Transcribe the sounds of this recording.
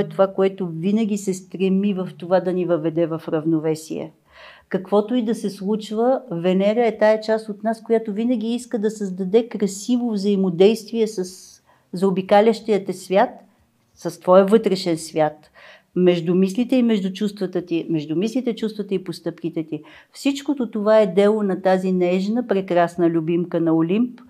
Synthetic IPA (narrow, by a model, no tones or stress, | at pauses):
ɛt̪ovakoɛt̪ovinəɡʲisɛst̪ɾɛmivɐft̪ovad̪ɐnivəvɛd̪ɛvɐfɾɐvnovɛsḭɛ̰ | kɐkvɔt̪ʊid̪ɐsɛslˠut͡ʃvəvɛnɛɡəɛt̪aɛt͡ʃast̪ot̪naskojat̪ʊvinəɡ̟ʲiiskəd̪ɐsəzd̪ɐd̪ɛkɾɐsivovzəimod̪ɛjst̪viɛsəs | zobikalʲəʃt̪iət̪ɛsvʲjat̪ | sɐst̪vɔjəvɤt̪ɾɛʃɛnsvʲjat̪ | mɛʒd̪ʊmislit̪ɛimɛʒd̪ʊt͡ʃust̪vət̪ət̪imɛʒd̪ʊmislit̪ɛt͡ʃust̪vət̪əipost̪ɤpkit̪ɛt̪i | fsit͡ʃkot̪ot̪ovaɛd̪ɛlˠonɐt̪azinɛʒnəpɾɛkɾasnəlʲubimkənɐolʲimp